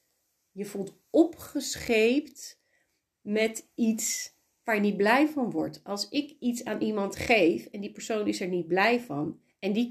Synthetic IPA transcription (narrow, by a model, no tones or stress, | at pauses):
jəvulˠt | ɔpχəsχejpt | mɛtits | ʋaːɹjənid̚blɛjvɑnʋɔ̰ɹtɑlˠsɪkitsaːnʔimɑntχejfɛndipəɹsownɪsɛɹnid̚blɛjvɑn | ɛndi